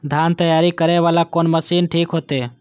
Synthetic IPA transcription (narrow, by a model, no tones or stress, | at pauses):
d̪ʱaːnt̪əjaːɾikəɾeʋaːlakoːnməsiːnʈʰiːkɦoːt̪eː